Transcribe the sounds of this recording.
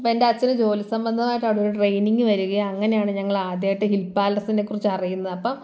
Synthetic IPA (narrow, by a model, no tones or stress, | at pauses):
ɐpːoendeɐt͡ɕːɐnɨd͡ʑo̞ːlisɐmbɐnd̪ʱɐmaːjiʈːaːɽoɾuʈrejniŋɡɨʋɐɾuɣɐːŋːɐne̞jaːɳɨɲɐŋːɐɭaːd̪jaːjiʈːɨɦilpːaːlɐrsindekːurit͡ɕːɨɐrijunːɐðɐpːɐm